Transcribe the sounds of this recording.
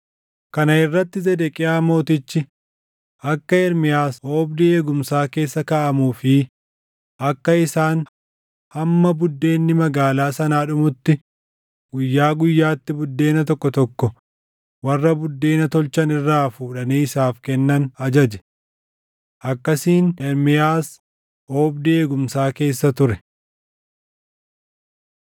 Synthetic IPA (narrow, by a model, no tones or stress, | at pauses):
kɐnɐɪrːɐt̪ːɪzɛd̪ɛkʼɪjaːmo̞ːt̪ɪt͡ʃːɪ | ʔɐkːɐɪɾmɪjaːshoːbd̪ɪeːɡʊmsaːke̞ːsːɐkɐʔɐmuːfɪ | ʔɐkːɐɪsaːn | hɐmːɐbʊd̪ːe̞ːnːɪmɐɡaːlaːsɐnaːᶑʊmʊt̪ːɪ | ɡ̥ʊjːaːɡʊjːaːt̪ːɪbʊd̪ːe̞ːnɐt̪ɔkːɔt̪ɔkːɔ | wɐrːɐbʊd̪ːe̞ːnɐt̪ɔlt͡ʃɐnɪrːaːfuːᶑɐniːɪsaːfkɛnːɐnɐd͡ʒɐd͡ʒɛ̥ | ʔɐkːɐsiːnɛɾmɪjaːs | ʔoːbd̪eːɡʊmsaːke̞ːsːɐt̪ʊɾɛ